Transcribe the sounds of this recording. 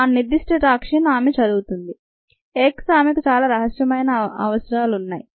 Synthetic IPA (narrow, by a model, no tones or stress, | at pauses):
aːnnːiɾd̪isʈeʈaːkʂinaːmet͡ʃɐd̪uːt̪und̪i | eːksaːmekut͡ʃaːlaːɾɐɦɐsjɐmɐjnɐɐ̰ʋɐsɾaːlunːaːji